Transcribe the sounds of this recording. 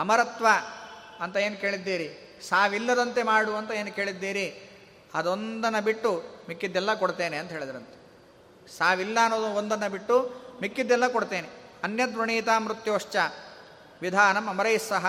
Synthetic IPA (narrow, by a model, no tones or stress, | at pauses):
ɐmɐɾɐt̪ʋɐ | ɐnt̪ɐeːnukeːɭid̪ːiːɾi | saːʋilːɐd̪ɐnt̪e̞maːɽuɐnt̪ɐe̞ːnuke̞ːɭid̪ːiːɾi | ɐd̪o̞nd̪ɐnːɐbiʈːumikːid̪ːɛlːɐkoɽt̪eːneɐnt̪ɐɦeːɭid̪ɐɾɐnt̪e | saːʋilːɐɐnːoːd̪uond̪ɐnːɐbiʈːumikːid̪ːɛlːɐkoɽt̪e̞ːne | ɐnjɐd̪ɾɐɳiːt̪aːmɾut̪joːʂt͡ʃɐ | ʋid̪ʱaːnɐmɐmɐɾɐjsːɐɦɐ